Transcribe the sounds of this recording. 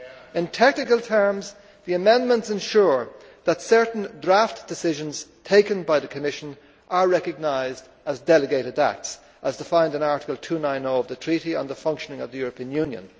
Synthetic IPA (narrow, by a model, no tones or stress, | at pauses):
ɪ̃ntʰɛk̚nɨkəlˠtʰɜ˞mz | ðiɨmɛ̃ndmə̃ntsɨ̃nʃʊɹ | ðətsɜ˞ʔn̩dɹaftd̥ɨsɪʒə̃nz̥tʰeɪkə̃nbaɪðɨkʰəmɪʃə̃n | ʔə˞ɹɛkɨɡ̚naɪzd | əzdɛlɨɡeɪɾɨɾa̰k̚ts | ʔəz̥tʰəfãɪ̃ndɨ̃naɹɾɪ̥kəlˠtʰʉnãɪ̃noʊʌvðɨtʰɹ̥iɾiə̰̃nðəfʌ̃ŋkʃənɪ̃ŋʌvðɨjʊɹəpʰĩə̃njʉ̃njə̰̃n